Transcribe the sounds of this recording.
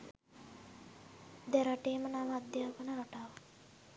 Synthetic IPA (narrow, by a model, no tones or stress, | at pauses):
d̪ɛɾaʈeːmənaʋaːd̪jaːpənəɾaʈaːʋa